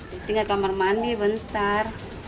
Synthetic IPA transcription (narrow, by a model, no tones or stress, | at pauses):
it̪iŋakamarmandibənt̪ar